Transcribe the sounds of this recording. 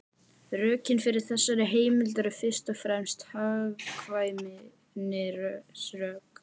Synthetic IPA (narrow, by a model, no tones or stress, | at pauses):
rœːcɪnfɪɾɪɾ̥θɛsːaɾɪɦeːjmɪlt̪ɛɾʏðfɪr̥st̪ɔfɾɛmst̪havkʰvaːjmɪ | nɪɾsrœːk